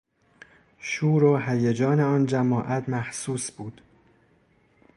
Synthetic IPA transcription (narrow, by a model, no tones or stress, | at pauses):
ʃuːɾoɦæjed͡ʒɒːneɒːnd͡ʒæmɒːʔæt̪ʰmæhsuːsb̥uːd̪̥